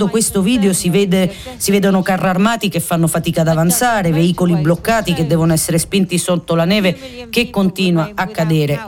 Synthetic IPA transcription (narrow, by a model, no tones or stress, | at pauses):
okwest̪oviːd̪eosiveːd̪e | sivɛːd̪onokarːarmaːt̪ikefːanːofat̪iːkad̪avant̪saːɾeveiːkoliblokːaːt̪iked̪ːɛːvonoɛsːeɾespint̪isot̪ːolanɛːvekekːont̪iːnwaːkːad̪ɛːɾe